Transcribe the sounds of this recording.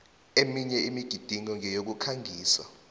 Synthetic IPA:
emiɲɛimiɡ̥ʱid̥ʱiŋɔŋʱɛjok̬ukʰaŋʱiːsa̰

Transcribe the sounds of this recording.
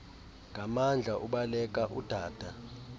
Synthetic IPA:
ŋɡʱamand͡ɮʱaʔuɓalɛk̬ʼaʔud̥ʱaːd̥ʱa

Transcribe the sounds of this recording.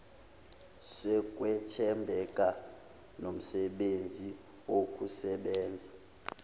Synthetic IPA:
sɛk̬ʼwɛtʰɛmbʱɛkʼa | nom̩sɛɓend͡zʱi | wok̬ʼusɛɓɛːnd͡zʱa

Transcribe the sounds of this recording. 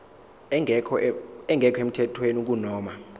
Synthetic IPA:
kɛŋɡʱɛkʰem̩tʰɛtʰwenuk̬unɔːma

